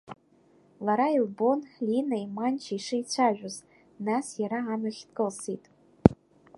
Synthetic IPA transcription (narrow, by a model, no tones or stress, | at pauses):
laɾailbonlinaimant͡ʃʰaiʂɨit͡ɕʷʰaʒᶣʷʊz | nasjaɾaːnɨχʲtkʼɨlsitʼ